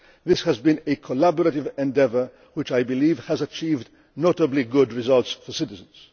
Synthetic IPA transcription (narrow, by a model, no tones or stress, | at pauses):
ðɪshɨzbɨ̃nɨkʰəlæbəɹəɾɪvɛ̃ndɛvə˞ | wɨt͡ʃaɪbɨliv̥ɨzət͡ʃʰivd | notəbliɡʊd̚ɹɨzʌlˠtsfəsɪɾɨzə̃nz̥